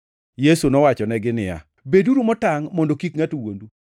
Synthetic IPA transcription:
jesunɔwat͡ʃɔnɛɡɪnɪja̰ | beduɾumɔtaŋmɔndokikŋatuwondu

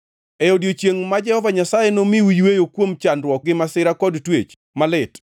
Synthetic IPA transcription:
ɛodjot͡ʃjeŋmad͡ʒɛhɔvaɲasajenomiwujwejokwomt͡ʃandɾwɔk̚ɡɪmasɪɾakɔdtwet͡ʃ | malɪt

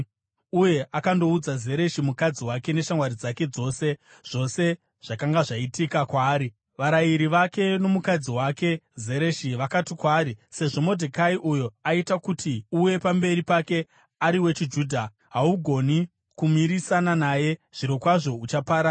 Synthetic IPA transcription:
uje̞akando̞ud͡zaze̞ɾe̞ʃimukad͡ziwake̞ne̞ʃaŋwaɾid͡zake̞d͡zo̞se̞ | ʐ̥o̞se̞ | ʐ̥akaŋɡaʐaitikakwaːɾi | ʋaɾaiɾiʋake̞no̞mukad͡ziwake̞ze̞ɾe̞ʃiʋakatikwaːɾise̞ʐo̞mo̞dʱekaiʔujo̞aitakutiuje̞pambe̞ɾipake̞ | aɾiwe̞t͡ʃid͡ʒuːdʱa | ɦauɡʱo̞ni | kumiɾisananaːje̞ʐ̥iɾo̞kwaʐo̞ut͡ʃapaːɾa

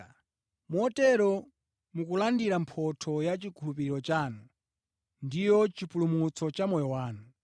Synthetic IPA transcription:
mɔtɛɾɔ | mukulandiɾampʰɔtʰɔjat͡ʃikʰulup̬iɾiɾɔt͡ʃaːnu | ndijɔt͡ʃipulumut͡sɔt͡ʃamɔjɔwaːnu

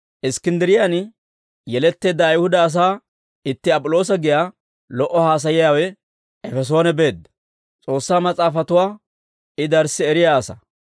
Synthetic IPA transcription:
ʔɪskɪnd̪ɪɾɪjan | jɛlɛt̪ːe̞ːd̪ːɐːjhʊd̪ɐːs̬aː | ɪt̪ːɪɐpʼʊlo̞ːs̬ɐɡɪjaː | lɔʔːɔhaːs̬ɐjɪjaːwɛ | ɛfɛs̬o̞ːnɛbe̞ːd̪ːɐ | t͡sʼo̞ːsːaːmɐt͡sʼaːfɐt̪ʊwaː | ɪd̪ɐɾsːɪɛɾɪjaːsɐ

